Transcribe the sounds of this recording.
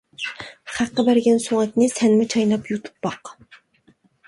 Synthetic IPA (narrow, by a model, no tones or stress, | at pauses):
χæqːɑbæɾɡʲɛnsoŋɛt̪ʲnɪsɛnmɪt͡ʃʰɑjnɑpjut̪ʰu̥pːɑq